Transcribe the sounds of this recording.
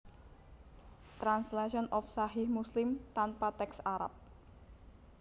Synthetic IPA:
t̪ɾanslaʃiɔnɔfsaɦɪhmuslɪmt̪anpat̪ɛksaɾa̰p̚

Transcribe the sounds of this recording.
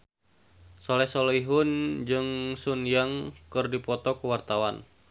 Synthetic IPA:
sɔlɛsɔliɦʊnd͡ʒɨŋsunjaŋkɨrdipɔt̪ɔkuwart̪awan

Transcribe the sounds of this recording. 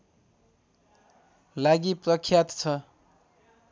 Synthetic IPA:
laɡiprʌkʰːjat̪t͡sʰʌ

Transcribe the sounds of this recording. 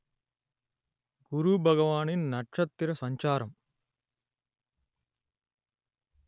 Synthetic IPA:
ɡuɾubʱɐɡɐʋaːninnɐʈʂɐt̪ːiɾɐsɐɲt͡ʃaːɾɐm

